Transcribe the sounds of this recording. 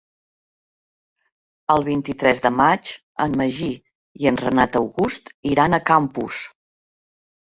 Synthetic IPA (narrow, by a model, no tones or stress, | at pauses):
əlˠβ̞int̪it̪ɾɛzðəmat͡ʃ | əmːəʒi | iənrənat̪əwɣust̪iɾanəkampṵs